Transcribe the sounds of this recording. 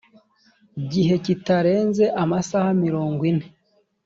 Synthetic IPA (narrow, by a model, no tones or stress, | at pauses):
ɟiɦe̞citaɾe̞ːnze̞ʔamasahamiɾoːŋɡwine